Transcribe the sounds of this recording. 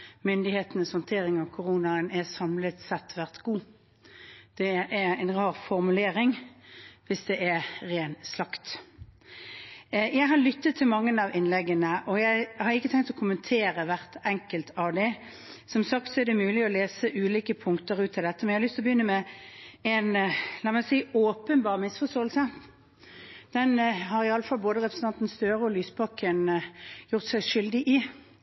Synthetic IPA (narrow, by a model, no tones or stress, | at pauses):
mʏnd̪ɪheːt̪ənəshɔnt̪ʰeːɾɪŋɑʋkʰʊɾuːnɑənæsɑmlət̪sɛt̪ːʋæʁt̪ɡ̥uː | d̪̥ɛæɾæɪnʁɑːʁfɔɾmʉleːɾɪŋ | ʋɪsd̪ɛʔɛɾeːnslɑkt̪ | jæɪɦɑɾlʏt̪ːət̪ʰːɪlmɑŋːənɑʋɪnlɛɡənəʔɔjæɪhɑɾɪkːət̪ʰɛŋkt̪ɔkʰʊmənt̪ʰeːɾəʋæʁt̪ɛŋkəlt̪ɑʋd̪ɛ | sɔmsɑkt̪sɔæɾd̪ɛmʉːlɪɔleːsəʔʉːliːkəpʰʊŋkt̪əɾʉːt̪ʰːɪld̪ɛt̪ːəmɛnjæɪhɑlʏst̪ʰlɔbəjʏnːəmɛ | ɛnlɑːmɛnsiːoːpənbɑːʁmɪsfɔst̪oːlsə | d̪̥ɛnɦɑɾɪɑlːəfɑlboːd̪əʁɛpɾsn̩ɑnt̪n̩st̪øːɾəɔlyːspʰɑkənjʊʁt̪sæɪʂʏld̪ɪʔɪ